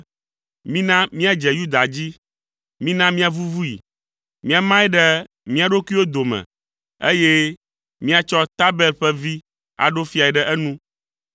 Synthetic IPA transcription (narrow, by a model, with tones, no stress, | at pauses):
mĩ˦nã˦mĩ˦a˦d͡ʒɛ˨ju˦d̪a˨d͡ʑi˦ | mĩ˦nã˦mĩ˦a˨vu˦vu˦jḭ˨ | mĩ˦a˨mã˦ɛ˦ɖɛ˦ | mĩ˦a˨ɖo˦ki˦wo˦d̪o˨mɛ̰̃˨ | e˦je˦ | mĩ˦a˨t͡ʃɔ˦t̪a˦bɛ˦lɸɛ˦vi˦ | a̰˨ɖo˦fi˦a˨ɛ˨ɖɛ˦ʔɛ˦nũ˦